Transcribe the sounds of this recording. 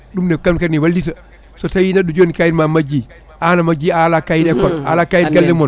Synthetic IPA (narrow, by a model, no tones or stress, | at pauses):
ɗumdɛkamkaɾniwaldita | sɔtawinaɗːud͡ʒonikajiɾmamad͡ʒi | ʔanamad͡ʒialakajiɾɛkɔna̰lakaːjiɾɡaldɛmɔn